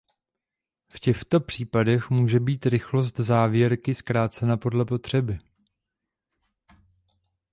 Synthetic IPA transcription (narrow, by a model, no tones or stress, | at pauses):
fcɛxt̪o̞pr̝̥iːpadɛxmuːʒɛbiːt̪ɾɪxlo̞s̬t̪zaːvjɛɾkɪskɾaːt͡sɛnapo̞dlɛpo̞t̪r̝̥ɛbɪ